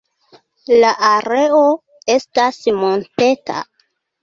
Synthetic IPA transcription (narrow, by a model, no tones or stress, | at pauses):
laʔaɾe̞o̞ | e̞stasmo̞nte̞ta̰